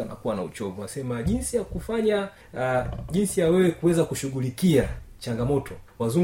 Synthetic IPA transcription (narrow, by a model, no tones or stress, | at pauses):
ana̰kuwanaut͡ʃɔvuasɛmaʄinsijakufaɲa | ʄinsijawɛwɛkuwɛzakuʃuɠulikiat͡ʃaŋɡamɔtʰɔwazu